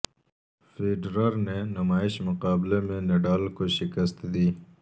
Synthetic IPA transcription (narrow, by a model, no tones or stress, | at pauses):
feːɖɾəɾnenɐmaːɪʃmʊqaːblemẽneɖaːlkoʃɪkəst̪d̪iː